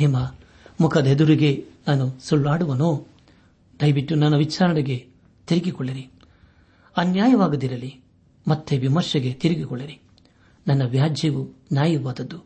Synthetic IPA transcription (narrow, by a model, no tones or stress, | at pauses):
imɐ | mukʰɐd̪ed̪uɾiɡe̞naːnusuɭːaːɽuʋɐnoː | d̪ɐjʋiʈːunɐnːɐʋit͡ʃaːɾɐnɛɡe̞ | t̪iɾiɡikɔɭːiɾi | ɐnjaːjɐʋaːɡud̪iɾɐli | mɐt̪ːeʋimɐɾʃɐɡe̞t̪iɾiɡikɔɭːiɾi | nɐnːɐʋjaːd͡ʒiʋunjaːjiɾʋaːd̪ɐd̪ːu